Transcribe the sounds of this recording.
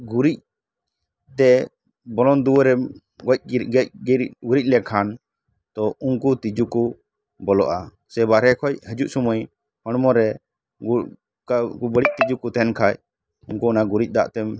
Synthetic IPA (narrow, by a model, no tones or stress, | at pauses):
ɡuɾic̚ | t̪ɛ | bɔlɔnd̪uwəɾɛm | ɡɔc̚ɡc̚ɡuɾic̚ˀlɛkʰan | t̪ɔunkut̪id͡ʒuku | bɔlɔʔa | sɛbaɾɛkʰɔc̚həd͡ʒuʔsuməj | hɔɽ̃mɔɾɛ | kakubəɽic̚t̪id͡ʒukut̪ɛnkʰac | unkuɔnaɡuɾic̚ˀd̪a̰ʔt̪ɛm